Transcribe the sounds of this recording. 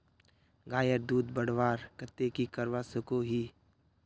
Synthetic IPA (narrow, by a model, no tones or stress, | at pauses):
ɡaːjəɾd̪uːd̪bəɽ̤ʋaːɾkət̪ːekikəɾʋasʊkoɦiː